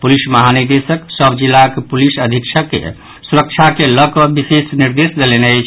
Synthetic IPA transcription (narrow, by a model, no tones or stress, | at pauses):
pulisməɦaniɾd̪esəksəbd͡ʒilːakepulisəd̪ʱikt͡ʃʰəkːḛ | suɾək̚t͡ʃʰakeləkɔbisesniɾd̪esd̪eleneət͡ʃʰ